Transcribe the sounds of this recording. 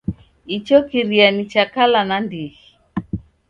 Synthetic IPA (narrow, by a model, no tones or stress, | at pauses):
it͡ʃɔkiɾianit͡ʃakalanandiɣi